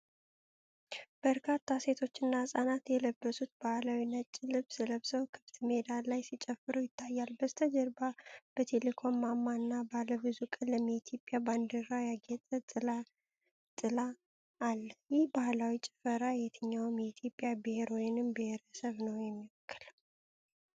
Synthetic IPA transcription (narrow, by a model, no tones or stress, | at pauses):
b̥əɾkʰat̪ʰːase̞t̪ʰo̞t͡ʃːɨnːahsʼanat̪jɛləbːəsut̪b̥ahlawinət͡ʃʼːɪlɨβsɨləβsəwkʰɨt̪ʰmed̪alajsit͡ʃʼɛfːɨɾujɪt̪ʰːajːalbəst̪ʰəd͡ʒəɾbab̥ət̪ʰe̞lekʰo̞mːamːanːabaləβɨzukʼɨləmːiit̪ʰjo̞pʼjaband̪ɨɾajaɡɛt̪ʼət̪ʼɨla | t̪ʼɨlaː | lːəjɪhbahlawit͡ʃʼɪfəɾajɛt̪ʰəɲːawmjɛit̪ʰjo̞pʼjabɨheɾo̞jɪnɨmbeheɾəsəβnəwjɛmːiwɔkːɨl